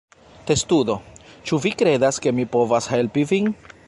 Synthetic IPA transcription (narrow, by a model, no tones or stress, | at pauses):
te̞studo̞t͡ʃuvikɾe̞daske̞mipo̞vashe̞lpivin